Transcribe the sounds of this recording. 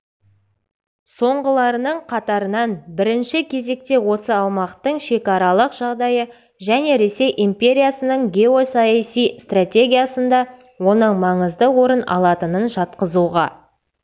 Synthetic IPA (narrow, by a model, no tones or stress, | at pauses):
so̞ɴʁəlˠɑɾənəɴqʰɑt̪ɑɾənɑnbɪɾɪnʃɪkʲʰe̞ze̞k̚t̪e̞wo̞səɑlˠmɑqt̪əɴʃe̞kɑɾɑlˠəqʒ̥ɑʁd̪ɑjə | ʒæne̞ɾe̞se̞jʔimpʲe̞ɾʲijasənəɴɡʲe̞o̞sɑjɑsijst̪ratʲe̞ɡʲijasənd̪ɑ | wo̞nəɴmɑɴəzd̪əwo̞ɾənɑ̰lˠɑt̪ənənʒɑt̪qəzuʁɑ̰